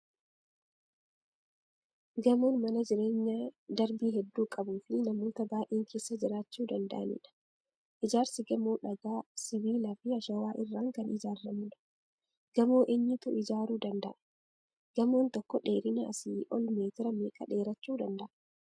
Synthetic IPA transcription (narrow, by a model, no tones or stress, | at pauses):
ɡɐmoːnmɐnɐd͡ʒɪɾeːɲːad̪ɐɾbiːɦɛd̪ːuːkʼɐbuːfɪɪnɐmo̞ːt̪ɐbaːʔeːŋkʰeːsːɐd͡ʒɪɾaːt͡ʃːuːd̪ɐnd̪ɐ̰ʔɐ̰nɪ̰ᶑɐ̥ | ʔɪd͡ʒaːɾsɪɡɐmoːᶑɐɡaːsɪβiːlɐfɪɐʃɐwaːʔɪrːaːŋkɐnɪd͡ʒaːɾːɐmʊᶑɐ̥ | ɡ̥ɐmoːʔɛɲːɪt̪ʊʔɪd͡ʒaːɾuːd̪ɐnd̪ɐʔɐ | ɡ̥ɐmoːnt̪ɔkːɔᶑe̞ːɾɪnɐ̰ːsɪʔɔlmeːt̪ɪɾɐmeːkʼɐ̰ᶑe̞ːɾɐt͡ʃːuːd̪ɐnd̪ɐʔ